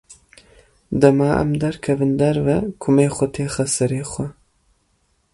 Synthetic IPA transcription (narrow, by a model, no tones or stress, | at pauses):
d̪ɐmaːʔɐ̰md̪ɐɾkʰɐvɨnd̪ɐɾvɐkʰʊmeːxʷɔt̪ʰeːxɐsɨɾeːxʷɐ